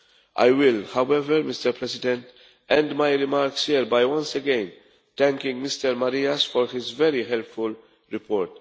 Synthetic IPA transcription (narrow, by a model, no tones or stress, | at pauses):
ʔa̰jwɪlhawɛvəɾmɪstəɾpʰɹɛsɪdɛ̃nt | ɛ̃ndmajɾɪmaɾkshiɾbajwʌ̃nsɛɡɛ̃n | t̪ɛ̃ŋkɪ̃ŋɡmɪstəɾmaɾiasfɔɾhɪzvɛɾiɦɛlpfʊl | ɹɪpʰɔːɹt